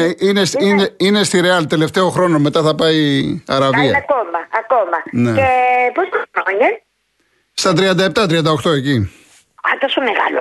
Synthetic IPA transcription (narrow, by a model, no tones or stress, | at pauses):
einesineine̞st̪iɾeɐlt̪e̞left̪e̞o̞xɾo̞no̞me̞t̪ɐθɐpɐiɐɾɐviɐɐkomɐɐkomɐneeposɾoɲɐ | st̪ɐt̪ɾiɐnd̪ɐep̚t̪ɐt̪ɾiɐnd̪ɐoxt̪o̞e̞ci | ɐt̪osomeɣɐ̰lo